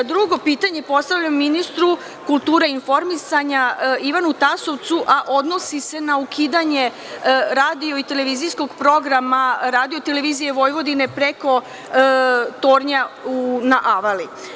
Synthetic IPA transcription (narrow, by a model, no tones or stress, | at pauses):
d̪ɾuɡo̞piːt̪aɲepo̞st̪aʋʎamminist̪ɾu | kulˠt̪uːɾainfo̞ɾmisaɲaiʋanut̪aso̞ʋt̪suʔaʔo̞d̪no̞sise̞naukʰiːd̪aɲe̞ | ɾaːd̪io̞it̪e̞le̞ʋizijsko̞ɡpɾo̞ɡɾamaɾaːd̪io̞t̪e̞leʋiːzije̞ʋo̞jʋo̞d̪ine̞pɾe̞ko̞ | t̪oːɾɲaunaʔaʋali